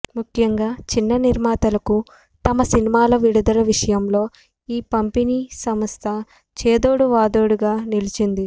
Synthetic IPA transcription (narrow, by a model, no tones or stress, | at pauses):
mukʰːjɐŋɡaːt͡ʃinːɐniɾmaːt̪ɐlɐku | t̪ɐmɐsinimaːlɐʋiɽud̪ɐlɐʋiʂɐjɐmlo̞ː | iːpɐmpiniːsɐmɐst̪ʰɐ | t͡ʃeːd̪oːɽuʋaːd̪oːɽuɡaːnilit͡ʃind̪i